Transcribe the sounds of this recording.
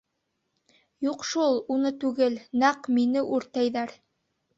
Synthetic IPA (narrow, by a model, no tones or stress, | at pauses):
juqʃulˠunɤt̪ʉɡɘlnæqminɘʔʉɾt̪æjðæɾ